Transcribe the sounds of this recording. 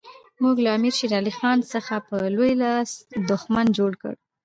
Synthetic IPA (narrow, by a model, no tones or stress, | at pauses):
muɡlaːmiɾʃiɾɑlixɑnsəxapəlojlɑsd̪ʊxmand͡ʒoɽkə̰ɽ